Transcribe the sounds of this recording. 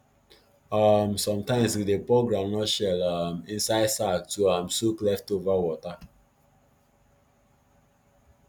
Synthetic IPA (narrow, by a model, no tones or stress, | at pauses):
amsɔ̃mtãɪ̃mswidepɾoɡɾãmnɔʃɛlamĩnsaɪdsak̚tuamsoklɛftovawɔta